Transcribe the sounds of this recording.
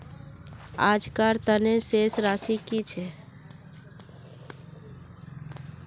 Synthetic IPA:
a̰d͡ʒkaɾt̪ənesesɾasikit͡ʃʰɛ

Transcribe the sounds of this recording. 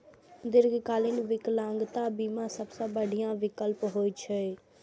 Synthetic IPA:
d̪ɪɾɡkaːlɪnʋɪklãːŋɡt̪ãːbiːmãːsəbsãːbəɖijãːʋɪkəlpɦoːit͡ʃʰə

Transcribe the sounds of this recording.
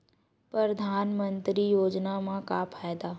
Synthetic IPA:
pɾəɾd̪ʱaːnmə̃nt̪ɾijoːd͡ʒnamãka̰pʰaːjd̪aː

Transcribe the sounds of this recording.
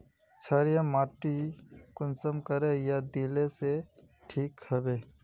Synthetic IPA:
t͡ʃʰaɾjamaːʈikʊnsəmkəɾejad̪iːlese | ʈʰiːkhɐbeː

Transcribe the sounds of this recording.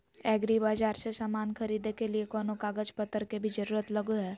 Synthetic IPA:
ɛːɡɾibaːd͡ʒaːɾsesaːmaːnxʰɐɾiːd̪ekeliekɔːnokaːɡəd͡ʒpət̪ːəɾkebʱid͡ʒəɾuːɾət̪lɐɡuɦɛː

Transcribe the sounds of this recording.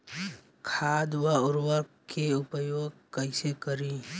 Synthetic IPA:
kʰaːd̪ʋaʊɾwəkeʊpəjoːɡ̚kəɪsekəɾi

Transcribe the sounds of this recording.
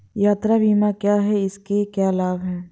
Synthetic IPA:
jaːt̪ɾabiːmakjaːɦɛɪskekjaːlaːbɦɛː

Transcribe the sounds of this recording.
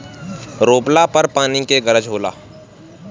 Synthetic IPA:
ɾoːplapəɾpaːnikeɡəɾəd͡ʒɦoːla̰ː

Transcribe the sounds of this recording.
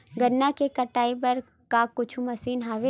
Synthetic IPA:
ɡɐɾnakekɐʈaːibɐɾ | kakʊt͡ʃʰumɐsiːnɦaːʋe

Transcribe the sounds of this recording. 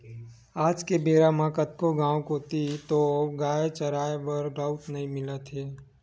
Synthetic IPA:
aːd͡ʒkebeːɾamãkət̪̚koɡãːwkoːt̪it̪oɡaːet͡ʃəɾaːjbəɾɾaːʊʈnɐɦĩmɪlət̪ɦeː

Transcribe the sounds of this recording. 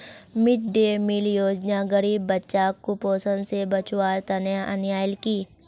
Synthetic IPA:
mɪʈ̚ɖeːmɪljoːd͡ʒnaɡəɾiːbːɐtːʃaːkːʊpoːsənsebɐt͡ʃwaːɾt̪ɐnjaʔɐnjaːjɪlkiː

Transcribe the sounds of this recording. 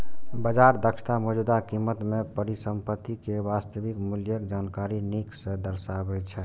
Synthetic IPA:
bəd͡ʒaɾd̪əkʃʰt̪amɔd͡ʒud̪akimːət̪mepəɾisəmpət̪ːikeʋast̪əʋikmuljəkd͡ʒaːnkaɾiniksə̃d̪əɾsabɛt͡ʃʰɛ

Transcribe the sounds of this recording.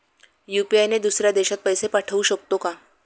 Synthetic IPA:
jupiajned̪usɾjad̪eɕat̪̚pəjsepaʈʰəuɕəkt̪oka

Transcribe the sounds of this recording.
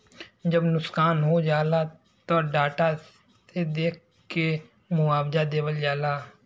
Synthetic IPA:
d͡ʒəbnʊskaːnɦod͡ʒaːla | t̪oɖaːʈa | ed̪eːk̚ʰ | ke | mʊaːbd͡ʒad̪eːwəld͡ʒaːlaː

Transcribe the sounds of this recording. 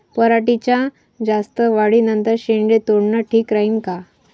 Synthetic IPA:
pəɾaʈit͡ɕja | d͡zast̪əʋaɽiːnənt̪əɾɕeɳɖet̪oɽɳaʈʰiːkɾainka

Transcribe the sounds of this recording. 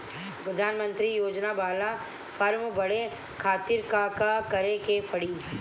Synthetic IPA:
pɾɐd̪ʱaːnmə̃nt̪ɾijoːd͡ʒnabaːla | pʰɐɾmbɐɽe | kʰaːt̪ɪɾkakakɐɾekepʰɐɽiː

